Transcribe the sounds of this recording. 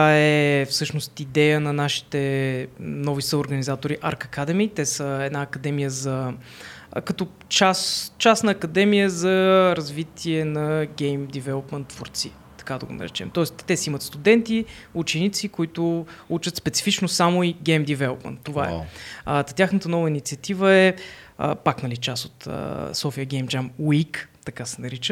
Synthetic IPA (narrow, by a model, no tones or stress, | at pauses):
aɛfsɤʃnost̪id̪ɛjənɐnaʃi̥t̪ɛ | nɔvisəʊɾɡənizat̪oɾiʔaɾkɐkad̪ɛmit̪ɛsəɛd̪naːkɐd̪ɛmijəzɐ | kɐt̪ɔ | t͡ʃast͡ʃasnəːkɐd̪ɛmijəzɐɾɐzvit̪ʰiɛnɐɡɛjmd̪ivɛlˠopmənt̪ːvoɾt̪si | t̪ɐ̥kad̪ɐɡo̰nɐ̰ɾɛ̰t͡ʃɛmt̪ɔɛst̪ːɛsiimət̪st̪ud̪ɛnt̪i | ut͡ʃɛnit̪sikʊit̪ʊut͡ʃət̪spɛt̪si̥fit͡ʃnosamoiɡɛjmd̪ivɛlˠopmə̰nt̪ːovaɛ̰ət̪ɐt̪ʲaxnət̪ənɔvəinit̪siət̪ivəɛə̰paknɐlit͡ʃasot̪ə̰sɔfiəɡʲɛjmd͡ʒamwikt̪ɐkasɛnɐɾit͡ʃə